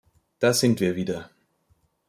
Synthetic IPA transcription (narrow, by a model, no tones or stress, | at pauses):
d̥aːzɪntv̥iːɐviːdɐ